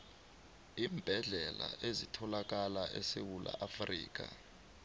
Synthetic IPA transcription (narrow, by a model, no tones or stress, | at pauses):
iːmb̥ʱɛɮɛlaʔezitʰɔlak̬ʼalaʔɛsewula̰ʔafrḭːk̬a